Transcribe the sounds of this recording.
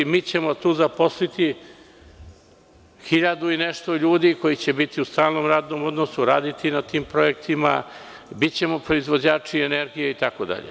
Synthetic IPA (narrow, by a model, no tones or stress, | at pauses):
miːt͡ɕe̞mo̞t̪uːzapo̞slit̪i | xiʎad̪uineʃt̪o̞ʎuːd̪iko̞jit͡ɕe̞bit̪iust̪aːlno̞ːmɾaːd̪no̞mo̞d̪nosuɾaːd̪it̪inat̪iːmpɾo̞e̞kt̪ima̰ | bit̪t͡ɕe̞mo̞pɾo̞izʋod͡ʑaːt͡ʂieneɾɡijeit̪ako̞d̪a̰ʎḛ